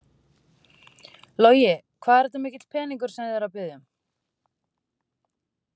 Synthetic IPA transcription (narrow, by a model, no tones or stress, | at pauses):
loːwjɪ | kʰvaːðɛɾt̪amɪːcɪt̪l̥pʰɛːniŋk̬ʏɾ̥sɛmðɛɾawpɪðʏm